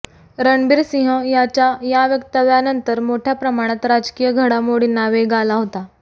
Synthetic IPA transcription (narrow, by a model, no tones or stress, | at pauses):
ɾəɳbiːɾsĩɦə̃jat͡ɕajaʋjəkt̪aʋjanənt̪əɾmoʈʰjapɾəmaɽ̃at̪ɾad͡ʑkijəɡʱəɽamoɽinːaʋeɡalaɦot̪a